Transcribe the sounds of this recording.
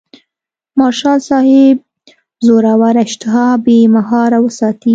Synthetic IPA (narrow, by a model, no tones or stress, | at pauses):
mɑʃɑlsɑhɪb | zoɾawaɾaɪʃt̪ɪɦɑbemaɦɑɾawəsɑt̪i